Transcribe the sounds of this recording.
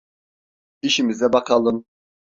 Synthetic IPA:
iʃimizd̪ɛbɑqʰɑlˠɯm

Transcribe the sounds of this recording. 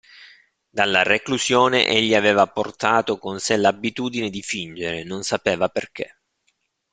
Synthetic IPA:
d̪alːarekluzjoːnḛʔeʎːiaveːvaport̪aːt̪okonselabːit̪uːd̪ined̪ifind͡ʒeɾenonsapeːvaperk̟ʰḛ

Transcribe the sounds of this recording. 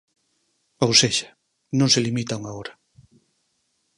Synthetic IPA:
owseʒḁ | nõŋselimit̪aŋaoɾa

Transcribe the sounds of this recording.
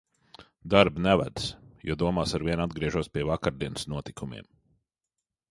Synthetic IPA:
d̪aɾbnɛva̰d̪sjṵːd̪uɔmaːsaɾvʲiɛnad̪̚ɡɾiɛʒuɔspʲiɛvakaɾd̪iɛnsnuɔt̪ikʰumʲḭɛm

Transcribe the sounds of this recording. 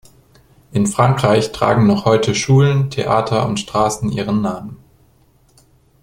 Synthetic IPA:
ʔɪnfʁ̥aŋkʁ̥aɪçtʁ̥a̰ːɡŋ̩nɔχhɔʏtʰəʃuːləntʰḛʔa̰ːtʰɐʊ̰ntʃtʁ̥aːsn̩ʔḭːʁ̞ənːaːmən

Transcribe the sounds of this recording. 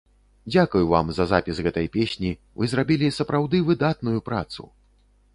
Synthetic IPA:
d͡zʲakujuva̰mzɐzapʲisɣɛt̪ɐjpʲesʲnʲi | vɨzɾabʲilʲisɐpɾawd̪ɨvɨd̪at̪nujupɾa̰t̪sṵ

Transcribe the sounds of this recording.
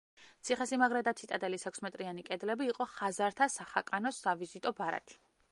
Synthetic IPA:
t̪sʰiχɛsimaɡɾad̪at̪sʰit̪ʼad̪ʼɛlisʰɛkʰsmɛt̪ʼɾianikʼɛd̪lɛbiːqʼɔχazaɾt̪ʰasaχakʼanɔsavizit̪ʼɔbaɾa̰t̪ʰi̥

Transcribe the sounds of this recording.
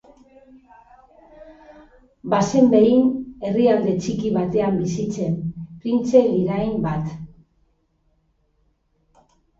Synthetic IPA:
base̞mbe̞ine̞riald̪e̞t͡ʃikiβ̞at̪e̞ambisit͡se̞mpɾint͡se̞liɾajmbat̪

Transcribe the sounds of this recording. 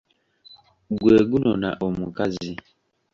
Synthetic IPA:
ɡweɡunɔna̰ʔomukazi

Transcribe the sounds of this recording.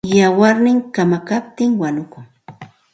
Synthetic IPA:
jawaɾnɪŋkamakap̚t̪ɪŋwanʊkʊŋ

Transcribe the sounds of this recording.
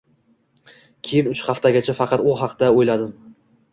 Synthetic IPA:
kʲʰejɪnʊt͡ʃχɑft̪aɡʲat͡ʃʰafɑqʰɑt̪ʊɦɑqd̪aojlad̪ɪm

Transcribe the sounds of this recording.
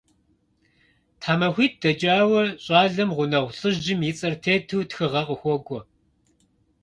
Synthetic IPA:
tʰaːmɐxʷiːt̚d̥ɐd͡ʒʼaːwɐɕʼɑːɮɐmʁʷʊnɐʁʷɬʼɨʑɪmjɪt͡sʼɐrtʰeːtʰɨwtxɨʁɐqʼəxʷɔɡʷʼɔ

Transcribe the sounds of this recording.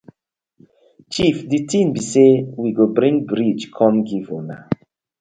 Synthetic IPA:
t͡ʃifditʰĩmbisewiɡobɹĩŋbɹid͡ʒkʰɔ̃mɡivona̰

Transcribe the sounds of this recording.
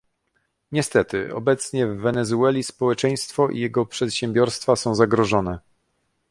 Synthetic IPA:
ɲɛst̪ɛt̪ɘɔ̰bɛt̪sɲɛvːɛnɛzuɛlʲispɔwɛt͡ʂɛj̃st̪fɔʔḭjɛɡɔpʂɛt̪ɕɛ̃mbʲjɔɾst̪fasɔ̃w̃zaɡɾɔʐɔnɛ

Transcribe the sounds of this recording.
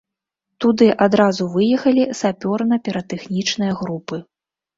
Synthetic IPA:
t̪ud̪ɨʔad̪ɾazuvɨjɛxɐlʲisapʲɔrnɐpʲɛɾɐt̪ɛxnʲit͡ʂnɨjɐɣɾupɨ

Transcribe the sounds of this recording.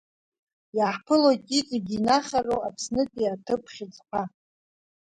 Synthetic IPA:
jaħpʰɨlojtʼit͡sʼaɡʲinaχʲarowapʰsnɨtʼiatʰɨpʰχʲɪt͡sʼqʷʰa

